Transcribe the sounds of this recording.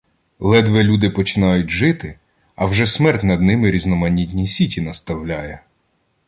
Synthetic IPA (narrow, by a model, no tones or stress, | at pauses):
lˠɛd̪ʋɛlʲud̪ɪpɔt͡ʃɪnɑjʊt̚ʲʒɪt̪ɪ | ɐwʒɛsmɛrtʲnɐd̪nɪmɪɾʲiznɔmɐnʲitʲnʲisʲitʲinɐst̪ɐwlʲajɛ